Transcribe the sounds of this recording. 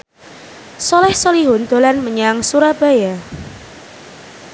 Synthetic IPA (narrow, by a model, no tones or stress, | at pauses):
sɔlɛhsɔliɦʊnd̪̥o̤lanməɲaŋsuɾab̥a̤ja